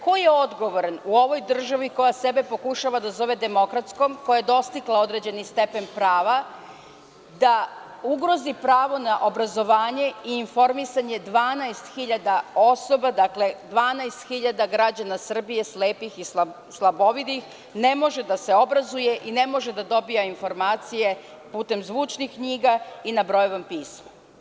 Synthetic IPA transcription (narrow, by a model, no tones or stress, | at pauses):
ko̞jeod̪ɡo̞ʋo̞ɾanuo̞ʋo̞jd̪r̩ʒaʋiko̞jasebe̞po̞kuʃaʋad̪azo̞ʋe̞d̪e̞mo̞kɾat̪sko̞mko̞jajed̪o̞st̪iklˠao̞d̪ɾe̞d͡ʑe̞nist̪e̞pe̞npɾaːʋa | d̪a | uɡɾo̞zipɾaːʋo̞naʔo̞bɾazo̞ʋaːɲe̞iːnfo̞ɾmisaɲe̞d̪ʋaːnaest̪xiʎad̪ao̞so̞bad̪akle̞d̪ʋaːnaest̪xiʎad̪aɡɾad͡ʑanasr̩bije̞sleːpixisa | slˠabo̞ʋid̪ix | ne̞mo̞ʒed̪ase̞o̞bɾazuje̞ʔine̞mo̞ʒe̞d̪ad̪o̞bijainfo̞ɾmaːt̪sije̞ | puːt̪e̞mzʋuːt͡ʃnixkɲiːɡainabɾo̞joʋampiːsma